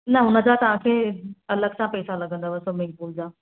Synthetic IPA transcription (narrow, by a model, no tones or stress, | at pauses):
nɐʊnə̆d͡ʑat̪ɐʋ̤ãkʰeːɐləɡsãpɛːsãlɐɡʱə̃nd̪aːʋɐsomɪ̃ŋɡpuːld͡ʑaː